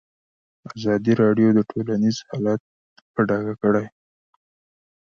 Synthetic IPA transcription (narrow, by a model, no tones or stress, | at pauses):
azɑd̪iɾɑɖjod̪əʈʰolanizhɑlat̪̚ | pəɖɑɡakəɽaj